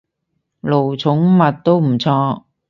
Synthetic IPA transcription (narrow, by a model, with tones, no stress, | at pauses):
lo˨˩wt͡sʰʊ˨˥ŋmɐ˨t̚t̪o˥wm̩˨˩t͡sʰɔː˧˥